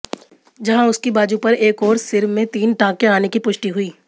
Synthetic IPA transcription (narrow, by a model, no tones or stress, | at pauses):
d͡ʒɐɦãʊskibaːd͡ʒupɐɾeːkɔːɾsɪɾmẽt̪iːnʈãːkeaːnekipʊʃʈiɦʊiː